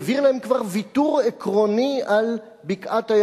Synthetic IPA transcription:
viʁlahemkvaʁvit̪uʁekʁonial | bikʔat̪aj

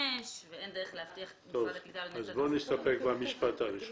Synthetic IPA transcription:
eʃveend̪eeleaft̪iaχt̪ovazboniʃt̪apekbamiʃpat̪aʁiʃ

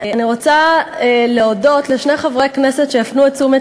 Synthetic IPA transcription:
aaniʁot͡sa | leodo̞tleʃneχavʁejkne̞se̞tʃeafnuet͡sume

